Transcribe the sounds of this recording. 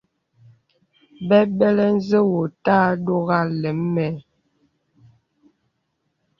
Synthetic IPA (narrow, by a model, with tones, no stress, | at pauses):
bɛ˦bɛ˦lɛ˦n̩˦zə˦wo˨taː˦do˦ɣa˦˨lɛ˨˦mːɛ˨